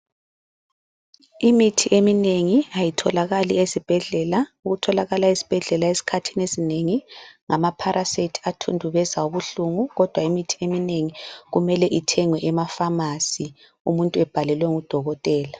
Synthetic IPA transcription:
imitʰiʔemineŋiajitʰɔlaɣaliezib̥ʱɛɮɛlauɣutʰɔlaɣalaesi̥b̥ʱɛɮɛlaesi̥kʰatʰinesineŋiŋamapʰaɾʔasetʰatʰundʱuβɛzauβuɬuŋuɣɔd̥ʱwaimitʰi̥emineŋiɣumɛlɛʔitʰɛŋwɛʔɛmafamasi | umuntʼuɛb̥ʱalɛlwɛŋud̥ʱɔɣɔtʼɛːla

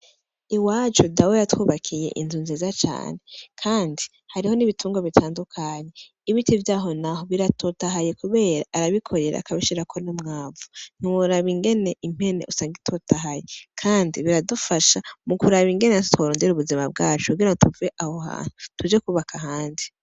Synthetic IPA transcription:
iwaːt͡ʃudawejatwuβakʰije̞̰ʔḭnzunziːzat͡ʃa̰ːne̞kʰaːndi | haɾiho̞niβitʰuːŋɡoβitʰaːndukʰaɲe̞ | iβitʰivjaːɦo̞naɦoβiɾatʰotaɦaje̞kuβe̞ːɾa̰ʔaɾaβikʰo̞ɾe̞ɾa̰kaβiʃiɾakʰonomŋaːvun̥iwoɾaβiŋɡe̞ne̞ʔim̥he̞ne̞̰ʔusaːŋɡitwotaɦajekʰaːndiβiɾadufaʃamukuɾaβiŋɡeneaso̥twaɾoːndiɾuβuzimab̚ɡaːt͡ʃukuɡiɾanotuvueʔahoɦa̰ːn̥hutud͡ʒekuβakʰaɦaːnzi

